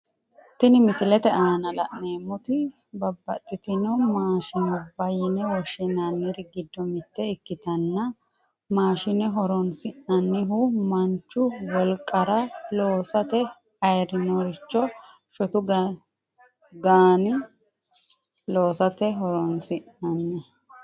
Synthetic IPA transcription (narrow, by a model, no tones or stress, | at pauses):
t̪ɪnɪmɪsɪlɛt̪ɛʔaːnɐlɐ̰ʔne̞ːmːʊt̪ɪ | bɐbːɐt̪ʼːɪt̪ɪnɔmaːʃɪnɔbɐjɪnɛwɔʃɪnɐnːɪɾɪɡɪd̪ːɔmɪt̪ːɛɪkːɪt̪ɐnːɐ | maːʃɪnɛɦɔɾɔnsɪnɐnːɪɦʊmɐnt͡ʃːʊwɔlkʼːɐɾɐloːsɐt̪ɛ | ɐjɾɪnɔɾɪt͡ʃːɔ | ʃɔt̪ʊ | ɡaːnɪ | lo̞ːsɐt̪ɛɦɔɾɔnsɪʔnɐnːɛ